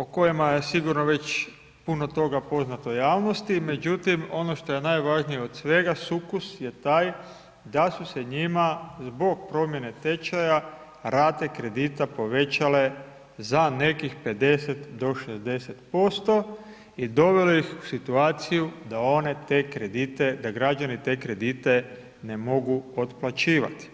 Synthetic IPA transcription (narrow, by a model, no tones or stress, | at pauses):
oko̞jimaje̞siɡuɾnoʋe̞t͡ɕ | puno̞t̪o̞ɡapo̞znat̪ojaːʋno̞st̪ime̞d͡ʑut̪imo̞no̞ʃt̪o̞je̞najʋaʒnijeod̪sʋe̞ɡasukusje̞t̪aːj | d̪asuse̞ɲimazbo̞ɡ̚pɾo̞mje̞ne̞t̪e̞t͡ʃaja | ɾaːt̪ekɾe̞d̪it̪apo̞ʋe̞t͡ɕale̞ | zane̞kixpe̞d̪e̞se̞t̪d̪o̞ʃezd̪e̞set̪po̞st̪o̞ | id̪o̞ʋe̞lojixu̥sit̪uaːt̪sijud̪ao̞ne̞t̪ekɾed̪it̪e̞d̪aɡɾad͡ʒanit̪e̞ːkɾe̞d̪it̪e̞ | ne̞mo̞ɡuot̪plat͡ɕiːʋa̰t̪i̥